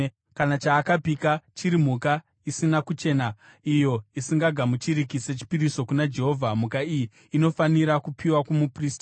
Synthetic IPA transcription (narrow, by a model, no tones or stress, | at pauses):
kanat͡ʃaːkapikat͡ʃiɾim̤uka | isinakut͡ʃe̞na | ijo̞isiŋɡaɡʱamut͡ʃiɾikise̞t͡ʃi̥piɾiso̞kunad͡ʒe̞ɦo̞ːvʱamukaijiː | no̞faniɾakupʰiwakumupristḁ